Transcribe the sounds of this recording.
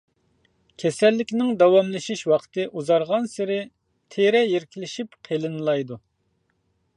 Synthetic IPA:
kʲʰɛsɛlːɪkʲnɪŋd̪ɑwɑmlˠɨʃiʃwɑqʰt̪ʰɨʔuzɑɾʁɑnsɪɾɪ | t̪ʰeɾɛjeɾkʲʰilɪʃipqʰelˠɨnɨlˠɑjd̪u

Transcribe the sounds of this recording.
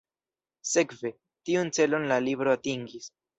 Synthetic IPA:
se̞kve̞ | tiunt͡se̞lo̞nlalibɾo̞atiŋɡis

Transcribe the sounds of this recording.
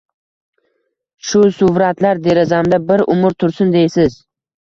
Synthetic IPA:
ʃʊsʊvɾat̪laɾd̪e̞ɾɪzamd̪abɪɾʊmʊɾt̪ʰʊɾsʊnd̪ejsɪz

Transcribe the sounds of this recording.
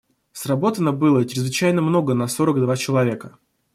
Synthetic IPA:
srɐbo̞t̪ənəbɨlˠət͡ɕɪɾʲɪzvɪt͡ɕæjnəmno̞ɡənɐso̞ɾəɡd̪vat͡ɕɪlˠɐvʲe̞kə

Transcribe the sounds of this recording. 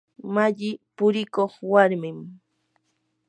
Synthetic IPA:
maʎɪpʊɾɪkoχwaɾmɪm

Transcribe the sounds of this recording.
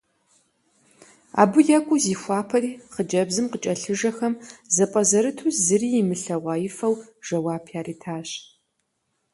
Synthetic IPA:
a̰ːbɨjɐkʷʼʊziːxʷɑːpʰɐriːχəd͡ʒɐbzɨmqət͡ʃʼɐɬɨʒɐxɐmzɐpʼɐzɐɾɨtʰuːszɨriːjɪmɨɬɐʁʷɑːjɪfɐwʒ̥ɐwaːpʰjaːrʔiːtʰaːɕ

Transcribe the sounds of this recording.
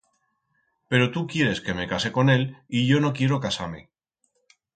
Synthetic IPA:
pe̞ɾo̞t̪ukje̞ɾe̞ske̞me̞kase̞ko̞ne̞liʝo̞no̞kje̞ɾokasame̞̰

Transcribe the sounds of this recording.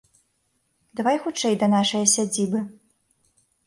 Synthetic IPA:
d̪avajxut͡ʂɛjd̪ɐnaʂɐjɐsʲad͡zʲibɨ

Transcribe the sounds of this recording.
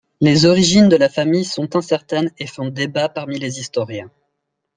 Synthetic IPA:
lezɔʁiʒind̪əlafamijsɔ̃t̪ɛ̃sɛʁt̪ɛnefɔ̃d̪ebapaʁmilezist̪ɔʁjɛ̃

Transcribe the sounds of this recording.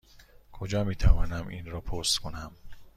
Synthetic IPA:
kʰod͡ʒɒːmiːt̪ʰævɒːnæmʔinɾɒːpʰost̪kʰonæm

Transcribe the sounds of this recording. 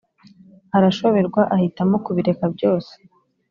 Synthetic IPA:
haɾaʃo̞βe̞ɾɡwaʔahitamo̞kuβiɾe̞kabɟo̞ːse̥

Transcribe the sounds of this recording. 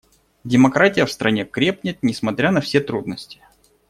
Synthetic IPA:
dʲɪmɐkɾatʲɪjəfst̪ɾɐnʲe̞kɾʲe̞pnʲɪt̪̚nʲɪsmɐt̪ɾʲanɐfsʲe̞t̪ɾud̪nəsʲtʲɪ̥

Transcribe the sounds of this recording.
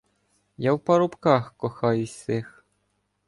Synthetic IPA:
jɑwpɑɾupkɑxkŏxɑysʲex

